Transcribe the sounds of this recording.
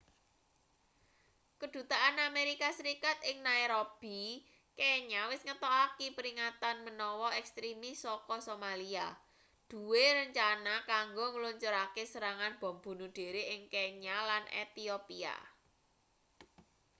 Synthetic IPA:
kəd̪̥ṳt̪aʔanameɾikasəɾikat̪̚ɪŋnaiɾob̥i | keɲawɪsŋət̪ɔakipəɾiŋat̪anmənɔwɔɛkst̪ɾimisɔkɔsomalia | d̪̥ṳweɾəɲt͡ʃanakaŋɡoŋəluɲt͡ʃuɾakesəɾaŋanb̥ɔ̤mb̥ṳnud̪̥e̤ɾeʔɪŋkeɲalanʔḛt̪iopia̰

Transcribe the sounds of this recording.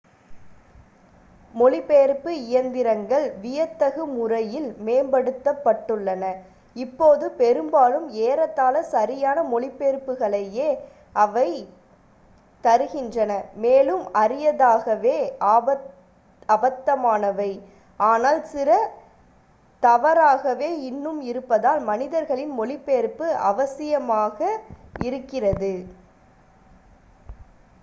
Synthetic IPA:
mɔɭɪpːeːɾpːɯɪjɐnd̪ɪɾɐŋɡɐɭʋɪjɐt̪ːɐɣɯmʊrɐjɪlmeːmbɐɽɯt̪ːɐpːɐʈːɯɭːɐnɐ | ɪpːoːðɯpɛɾɯmbaːlɯmeːɾɐt̪ːaːlɐsɐɾɪjaːnɐmɔɭɪpːeːɾpːɯɣɐɭɐjeː | ʔɐʋɐɪ | t̪ɐɾɯɣɪndrɐnɐmeːlɯmɐɾɪjɐðaːɣɐʋeːbɐ | ɐbɐt̪ːɐmaːnɐʋɐɪ | ʔaːnaːlsɪɾɐ | t̪ɐʋɐɾaːɣɐʋeːɪnːɯmɪɾɯpːɐðaːlmɐnɪðɐɾɣɐɭɪnmɔɭɪpːeːɾpːɯɐ̰ʋɐsɪjɐmaːɣɐɪɾɯkːɪrɐðɯ

